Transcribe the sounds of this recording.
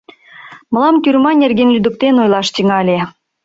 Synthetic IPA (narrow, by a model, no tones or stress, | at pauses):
mə̆lˠɑmt̪ʲyrmɑnʲerɡʲenlʲyd̪ŭk̚t̪enojlˠɑʃt̪ʲiŋɑlʲe